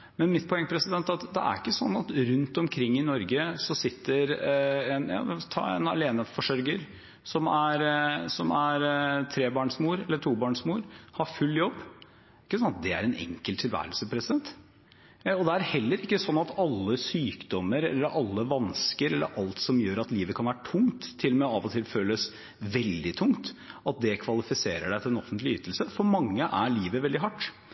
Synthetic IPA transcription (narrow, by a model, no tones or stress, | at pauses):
mɛnmɪt̪̚pʰɔɛŋːəpʰɾɛsɪd̪ɛnt̪ɑt̪d̪ɛ̰ʔæ̰ɾɪkːəsɔ̰nːɑt̪ɾʉnt̪ɔmkʰɾɪŋːɪnɔɾɡəsɔsɪt̪ːəɾɛnjɑ̰ːt̪ʰɑ̰ːɛ̰nɑ̰leːnəfɔʂœɾɡəɾ | sɔmæɾsɔmæɾt̪ʰɾeːbɑːɳsmuːɾɛlːəʈʰuːbɑːɳʂmuːɾhɑɾfʉlːjɔbː | ɪkːəsɔnɑt̪̚d̪ɛæ̰ɾɛnɛ̰ŋkəlt̪ʰːɪlʋæ̰ːɾəlsəpʰɾɛsɪd̪ɛnt̪ | ɔd̪ɛæɾhɛlːəɾɪkːəsɔnːɑt̪ɑlːəsyːkd̪ɔmːəɾɛ̰lːəɾʔɑlːəʋɑnskəɾɛlːə̰ɾʔɑlt̪sɔmjøːɾɑt̪liːʋəkʰɑnʋæːɾəʈʰʊŋt̪ʰːɪlːmɛɑːʋɔt̪ʰɪlføːləs | ʋɛld̪ɪt̪ʰʊŋt̪ɑt̪̚d̪ɛkʰʋɑlɪfɪseːɾəɖæɪt̪ʰɪlɛnɔfənt̪lɪʏːt̪l̩səfɔɾmɑŋːəʔæɭiːʋəʋɛld̪ɪɦɑʈː